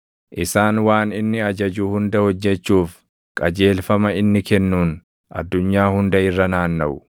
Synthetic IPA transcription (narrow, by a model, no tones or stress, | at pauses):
ʔɪsaːnwaːnɪnːɪɐd͡ʒɐd͡ʒuːhʊnd̪ɐhɔd͡ʒːɛt͡ʃːuːf | kʼɐd͡ʒe̞ːlfɐmɐɪnːɪkɛnːuːn | ʔɐ̰d̪ːʊɲːaːhʊnd̪ɐɪrːɐnaːnːɐʔʊ